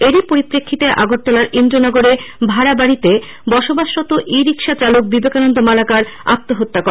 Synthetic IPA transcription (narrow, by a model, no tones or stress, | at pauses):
eɾipoɾipɾekʰːit̪eʔa̰ɡoʈt̪olaɾind̪ɾonɔɡoɾebʱaɾabaɽit̪e | bɔʃobaʃːɔt̪oʔiɾikʃat͡ɕaluk̚bibekanond̪omalakaɾa̰t̪ːoɦot̪ːakɔ